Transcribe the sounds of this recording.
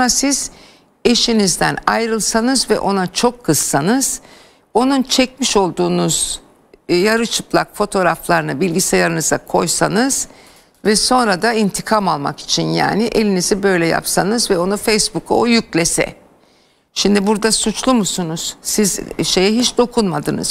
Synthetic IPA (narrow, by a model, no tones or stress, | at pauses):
nasiz̥ | e̞ʃinizd̪æ̰najɾɯlˠsanɯzvɛ̰ʔo̞nat͡ʃʰo̞kʰːɯz̥ːanɯz̥ | o̞nunt͡ʃʰɛc̚miʃo̞lˠd̪uːnuz̥ | jaɾɯt͡ʃʰɯplˠa̰kfo̞t̪ʰo̞ɾaflˠaɾɯnabilʲɟisɛjaɾɯnɯz̥a̰kʰo̞jsanɯz̥ | vɛso̞nɾad̪aint̪ʰikʰamalˠma̰ki̥t͡ʃʰinja̰ːnɪʔe̞lʲinizibø̞jlʲɛja̰psanɯzvɛo̞nufejsbukʰṵojyc̚lʲesɛ̰ | ʃimd̪ibuɾd̪asut͡ʃlˠumusunuz̥sizʃe̞jɛɦit͡ʃd̪o̞kʰunmad̪ɯnɯ̰z̥